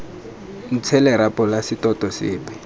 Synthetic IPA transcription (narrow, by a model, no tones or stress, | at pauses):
n̩t͡sʰɛlɛɾapʼɔlasitɔtɔsɪːpɛ